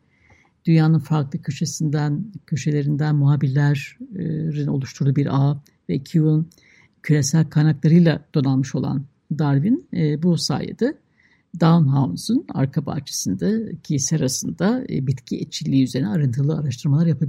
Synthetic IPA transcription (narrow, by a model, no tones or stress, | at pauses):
d̪̥ynjaːnɯnfaɾklˠɯkʰyʃesind̪ænkʰyʃelʲe̞ɾind̪ænmuɦaːbilʲːæɾ̥ | ɾino̞̰lˠuʃt̪ʰuɾd̪ubiɾʔa | vɛcʰuun | cʰylʲe̞sælʲkʰajnaklˠaɾɯjlˠad̪̥o̞nalˠmɯʃo̞lˠa̰n | d̪aɾvinːbusa̰ːjḛd̪ɛ | d̪anɦansuna̰ɾkʰaba̰t͡ʃʰe̥sɯnd̪acʰisɛaɾasɯnd̪a̰bit̪cʰiet͡ʃʰilʲːiːyze̞ɾinɛaɾɯnt̪ʰɯlˠɯaɾaʃt̪ʰɯɾmalˠaɾjapʰabi